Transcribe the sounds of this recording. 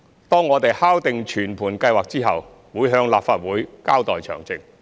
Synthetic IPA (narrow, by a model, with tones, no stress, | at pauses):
t̪ɔː˥ŋːɔː˨˧t̪e˨jhaː˥wt̪ɪ˨ŋt͡ʃʰyː˨˩npʰuː˨˩nkɐ˧jwaː˨k̚t͡siː˥ɦɐ˨w | wuː˨˧˥jɦœː˧ŋlaː˨p̚faː˨t̚wuː˨˥jkaː˥wt̪ɔː˨jt͡ʃʰœ̰ː˨˩ŋt͡sɪ˨ŋ